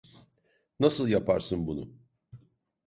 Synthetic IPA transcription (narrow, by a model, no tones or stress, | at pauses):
nasɯlˠjapʰa̰ɾsɯnbunʊ̰